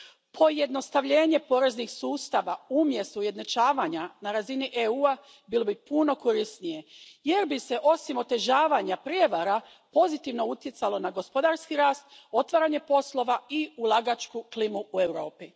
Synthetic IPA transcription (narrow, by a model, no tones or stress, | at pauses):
pʰo̞je̞d̪no̞st̪aʋʎe̞ːɲe̞po̞ːɾe̞znixsuːst̪aʋaumje̞st̪uuje̞d̪nat͡ʃaːʋaɲanaɾaziniʔeuːa | biːlˠo̞bipuno̞ko̞ɾisnije̞je̞ɾbise̞ʔo̞simo̞t̪e̞ʒaːʋaɲapɾjeʋaɾa | po̞zit̪iʋno̞ut̪je̞t̪salo̞naɡo̞spo̞d̪aɾskiɾaːst̪̚o̞t̪ʋaːɾaːɲe̞po̞slo̞ʋaiulˠaɡat͡ʃkuklimuue̞wɾo̞ːpi